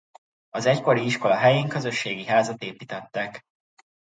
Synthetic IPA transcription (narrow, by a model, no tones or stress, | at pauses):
ɒzɛcko̞ɾiiʃko̞lɒɦɛjeːŋkøzø̞ʃːeːɡiɦaːzɒt̪eːpiːt̪ɛt̪ːɛk